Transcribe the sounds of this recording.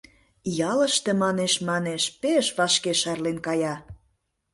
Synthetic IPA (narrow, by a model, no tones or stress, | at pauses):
jɑlə̆ʃt̪emɑneʃmɑneʃpeʃβɑʃkeʃɑrlenkɑjɑ